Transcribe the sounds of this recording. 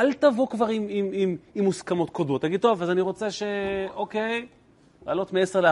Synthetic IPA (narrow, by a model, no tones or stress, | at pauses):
altavokvaʁimimimimːuskamo̞t̪kod̪mo̞t̪̚ːaɡid̪̚t̪o̞vazaniʁo̞t͡seʃe̞oke̞j | laːlo̞t̪meeseʁle